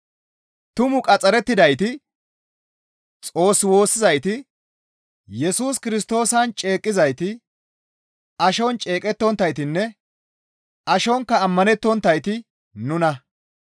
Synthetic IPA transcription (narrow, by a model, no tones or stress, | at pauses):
t̪ʊmʊkʼɐt͡sʼːɐɾɛt̪ːɪd̪ɐjt̪ɪ | t͡sʼo̞ːsːwo̞ːsːɪzɐjt̪ɪ | jɛsuːskɪɾɪs̬t̪o̞ːsɐnt͡ʃʼe̞ːkʼːɪzɐjt̪ɪ | ɐʃɔnt͡ʃʼe̞ːkʼɛt̪ːɔnt̪ːɐjt̪ɪnːɛ | ʔɐʃɔŋkːɐːmːɐnɛt̪ːɔnt̪ːɐjt̪ɪ | nʊnɐ